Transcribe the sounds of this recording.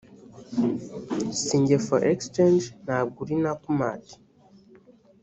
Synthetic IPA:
siːɲɟefo̰ʔekst͡ʃend͡ʒnaːbɡuɾinakuma̰ːti̥

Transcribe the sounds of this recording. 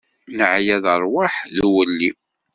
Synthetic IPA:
nəʕjæðəɾˤwaħðwəlːi

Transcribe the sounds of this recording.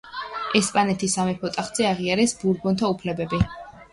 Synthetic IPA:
ɛspʼanɛt̪ʰisamɛpʰɔt̪ʼaχd̪z̥ɛaʁiaɾɛsbuɾbɔnt̪ʰaupʰlɛbɛbi

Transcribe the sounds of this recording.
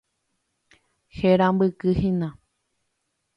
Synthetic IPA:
heɾãmbɨkɨhĩnã

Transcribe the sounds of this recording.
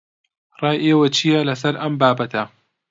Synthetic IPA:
rˤɑːjʔeːwɐt͡ʃʰijɐlɐs̬ɐɾʔɐmbaːbɐt̪ʰɐ

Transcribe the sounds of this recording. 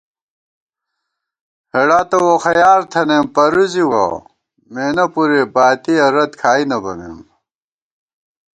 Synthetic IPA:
heɽaːt̪ɐwoxɐjaːɾt̪ʰɐnempɐɾuziwɐ̰ | meːnɐpuɾebaːt̪iɐɾɐt̪kʰaːinɐbɐmḛm

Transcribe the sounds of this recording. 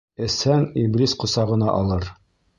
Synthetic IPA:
ɘ̆shæŋiblʲisqŏsɑʁɤ̆nɑʔɒlˠɤɾ

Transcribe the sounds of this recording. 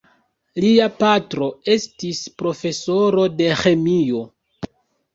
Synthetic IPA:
liapatɾo̞e̞stispɾo̞fe̞so̞ɾo̞de̞xe̞mio̞

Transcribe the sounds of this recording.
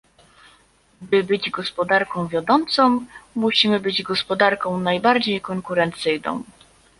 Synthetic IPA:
bɘbɘd͡ʑɡɔspɔd̪aɾkɔ̃w̃vʲjad̪ɔnt̪sɔ̃w̃muɕimɘbɘd͡ʑɡɔspɔd̪aɾkɔ̃w̃najbaɾd͡ʑejkɔŋkuɾɛnt̪sɘjnɔ̰̃w̃

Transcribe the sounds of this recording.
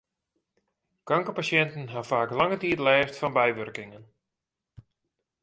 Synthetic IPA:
kaŋkəpasjɛntənɦafaːklɑŋətiːtlɛːftfɔnbɛjʋørkɪŋən

